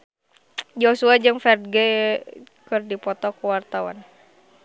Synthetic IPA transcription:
d͡ʒosuad͡ʒɨŋfɛrd̪ɡɛ | kɨrdipɔt̪ɔkəwart̪awa̰n

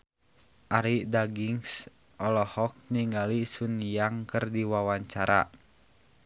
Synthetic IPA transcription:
ʔaɾidaɡiŋs | ʔɔlɔhɔk̚niŋɡalisunjaŋkɨrdiwawaɲt͡ʃaɾʔa̰

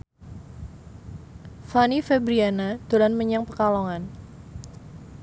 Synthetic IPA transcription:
fanifɛbɾianad̪̥olanməɲaŋpəkalɔŋan

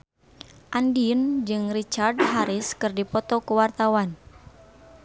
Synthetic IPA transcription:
ʔandind͡ʒɨŋrit͡ʃardɦaɾɪskɨrdipɔt̪ɔkuwart̪awan

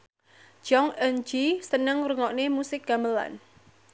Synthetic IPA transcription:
d͡ʒ̥ɔŋənd͡ʒisənəŋɾəŋɔʔnemusɪk̚ɡ̥ambəla̰n

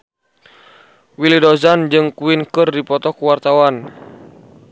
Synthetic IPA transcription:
wilidozand͡ʒɨŋkuinkɨrdipɔt̪ɔkuwart̪awan

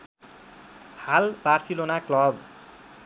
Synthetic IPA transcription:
halbarsilonaklʌb

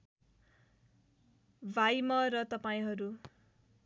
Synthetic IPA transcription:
bʱajmʌrʌt̪ʌpaĩɦʌɾu

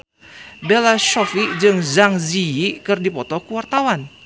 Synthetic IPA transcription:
belaʃɔfid͡ʒɨŋzaŋziikɨrdipɔt̪ɔkəwart̪awan

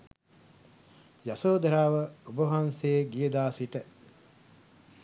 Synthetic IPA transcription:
jasoːd̪ɐɾaːʋɐubɐɦanseːɡijəd̪aːsiʈə

